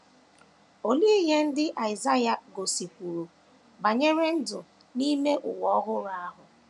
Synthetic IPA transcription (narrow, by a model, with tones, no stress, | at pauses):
o˨li˦e˦ɦe˦n̩˦dɪ˦ʔa˨ɪ˨za˦ja˨ɡo˨si˨kʷu˨ɾu˨ | ba˨ɲe˦ɾe˦n̩˦dʊ˨ | ni˦me˦ʔʊ̰˨wɔ˦ɣʊ˦ɾa˦a˦ɦʊ˨